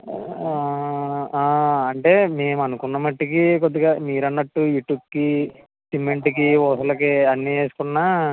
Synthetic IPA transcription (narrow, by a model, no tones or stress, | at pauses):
a | aːɐɳʈe̞ːme̞ːmuɐnukunːɐmɐʈːikikod̪ːiɡaːmiːɾɐnːɐʈːujuːʈjuːp̚ki | simːeɳʈik̬iʋɔːsɐlɐkeɐnːieːsu̥kunːaː